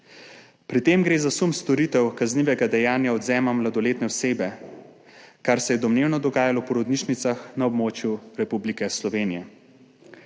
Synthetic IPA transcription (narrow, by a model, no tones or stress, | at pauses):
pɾit̪eːmɡɾeːzasumst̪ɔɾit̪ɛwkazniːʋɛɡad̪ɛjaːnjaɔd̪zɛːmamlad̪ɔleːt̪nɛɔseːbɛ | kaɾsɛjɛd̪ɔmneːwnɔd̪ɔɡaːjalɔpɔɾɔd̪niʃnit̪saxnaɔbmoːt͡ʃjuɾɛpublikɛslɔʋeːnijɛ